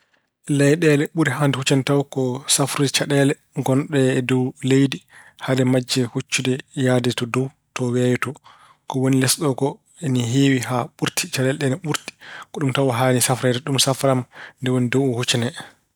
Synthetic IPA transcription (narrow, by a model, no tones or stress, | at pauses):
ɛlɛjɗɛlɛɓuɾiɦandɛhut͡ʃantawkɔsafɾut͡ʃaɗɛlɛ | ɡɔnɗɛːdɔwlejdihadɛmad͡ʒːɛhut͡ʃːudɛjaːdɛtɔdɔw | tɔwɛjtɔ | kɔwonilɛsɗɔɡɔ | ɛniɦiːwiɦaɓuɾtʰi̥t͡ʃaɗɛlɗɛnɛɓuɾti̥kɔɗumtawaɦanisafɾɛdɛɗumsafɾamndɛwonidɔwɔhut͡ʃɛnɛ